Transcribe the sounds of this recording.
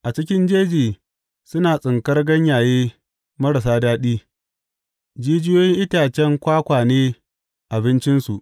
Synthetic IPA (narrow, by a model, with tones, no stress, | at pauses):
ʔa˨t͡ʃɪ˦kʲɪ˦nd͡ʒeː˦d͡ʒiː˨ | sʊ˦naː˨sʼɪ˨ŋkɐ˦rɡɐ˦ɲjaː˨jeː˦ | mɐ˦ɽɐ˨s̬aː˦daː˦ɗiː˦ | d͡ʒiː˦d͡ʒɪ˦joː˦jɪ˦ŋʔɪ˦taː˨t͡ʃɛ˦ŋkʷaː˦kʷaː˨neː˦ | ʔa˨bɪ˦nt͡ʃɪ˦nsu˨ʔ